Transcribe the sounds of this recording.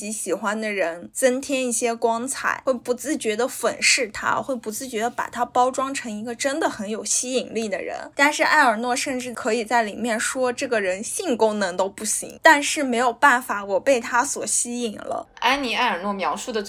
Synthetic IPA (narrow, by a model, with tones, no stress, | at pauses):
t͡ɕi˧˥ɕi˨˩xwa˥nd̪ə˨ɻə˧˥nt͡sə˥nt̪ʰjɛ˥ni˥˩ɕjɛ˥kwɑ˥ŋt͡sʰa̰˨˩ɪxwe˥˩ɪpu˧˥t͡sɹ̩˥˩t͡ɕɥɛ˧˥d̪ə˧fə̰˨˩nʂɻ̩˥˩t̪ʰa̰˥xwe˥˩ɪpu˧˥t͡sɹ̩˥˩t͡ɕɥɛ˧˥d̪ə˧pa̰˨˩t̪ʰa˥pɑ˥ʊʈ͡ʂwɑ˥ŋʈ͡ʂʰɤ˧˥ŋi˧˥ɡə˧ʈ͡ʂə˥nd̪ə˨xə˧˥njo˨˩ʊɕi˥i˨˩ŋli˥˩d̪ə̰˩ɻə̰˧˥nt̪a˥˧nʂɻ̩˥˧ʔa˥˩ɪə˞˨˩nwɔ˥˧ʂə˥˧nʈ͡ʂɻ̩˥˩kʰɤ˧˥i˨˩t͡sa˥˩ɪli˨˩mjɛ˥˩nʂwɔ˥ʈ͡ʂɤ˥˩ɡə˩ɻə˧˥nɕi˥˩ŋkʊ˥ŋnɤ˧˥ŋt̪o˥ʊpu˥˩ɕḭ˧˥ŋt̪a˥˧nʂɻ̩˥˩me˧˥ɪjo˨˩ʊpa˥˩nfa˧˩˥wɔ˨˩pe˥˩ɪt̪ʰa˥swɔ˨˩ɕi˥i˨˩ŋlə̰˦a˥ni˧˥a˥˩ɪə˞˨˩nwɔ˥˩mjɑ˧˥ʊʂu˥˩d̪ə˩